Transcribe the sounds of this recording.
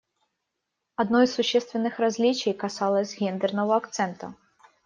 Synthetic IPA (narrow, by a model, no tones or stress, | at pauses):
ad̪nɔjsuɕːɛst̪vʲɛnːɨxɾazʲlʲit͡ʃɛjkasalˠɐsʲɣʲɛnd̪ɛrnɐvɐakt̪sɛnt̪ɐ̰